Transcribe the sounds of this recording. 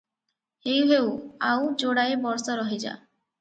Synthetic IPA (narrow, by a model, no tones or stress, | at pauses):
hewɦewawd͡ʒoɽaebɔɾsɔɾɔɦid͡ʒa̰